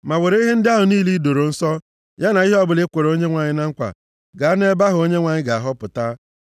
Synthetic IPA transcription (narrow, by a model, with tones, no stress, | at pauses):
ma˨we˨ɾe˦i˦ɦe˦n̩˦dɪ˦a˦ɦʊ˨niː˦li˦do˨ɾo˨n̩˦sɔ˦ | ja˦na˨i˦ɦɔ˦bʊ˨lɪ˦kʷe˨ɾo˦ɲe˦ŋʷa˨ɲɪ˦na˦ŋ̩˦kʷa̰˨ | ɡa˨˦ne˦ba˦ɦʊ˨o˦ɲe˦ŋʷa˨ɲɪ˦ɡa˨a˨ɦɔ˦pʊ˨ta˦